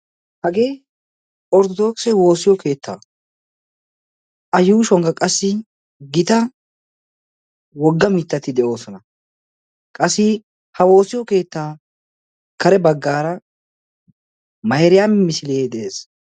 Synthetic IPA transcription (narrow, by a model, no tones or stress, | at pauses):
hɐɡe̞ː | ɔɾd̪ɔd̪o̞ːksɛwo̞ːsɪjɔke̞ːt̪ʰːa̰ː | ʔɐjuːʃɔŋɡɐkʼɐsːɪ | ɡɪt̪ɐ | wɔɡːɐmɪt̪ːɐt̪ɪd̪ɛʔo̞ːsɔnɐ | kʼɐsːɪ | hɐwo̞ːsɪjɔke̞ːt̪ːaː | kɐɾɛbɐɡːaːɾɐ | mɐjɾɪjammɪsɪleːd̪ɛeːs